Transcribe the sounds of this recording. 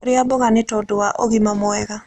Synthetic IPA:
ɾɪabɔɣanɪtɔdaʔoɡimamɔɛɡa

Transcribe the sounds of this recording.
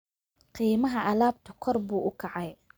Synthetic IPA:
qiːmɐɦɐʔɐlaːb̚t̪ʰʊkʰɔrbuːʔʊkʰɑʕɑj

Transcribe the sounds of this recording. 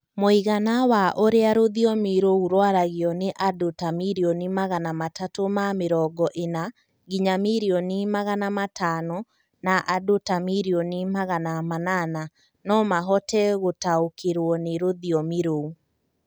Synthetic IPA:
moiɣanawaʔoɾeaɾoðiɔmiɾouɾwaɾaɣiɔneʔadotamiɾionimaɣanamatatomameɾɔɡɔʔena | ɡiɲamiɾiɔnimaɣanamatʰanɔ | naʔadotamiɾiɔnimaɣanamanana | nɔmaɦɔtɛɣotaokeɾwɔneɾoðiɔmiɾou

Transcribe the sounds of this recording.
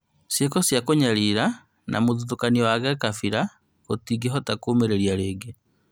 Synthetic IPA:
sjekosjakoɲaɾiɾa | nʔa̰muðutukaniwaɡakafiɾa | otiɡeɦotakuːmeɾeɾjaɾeːɡe

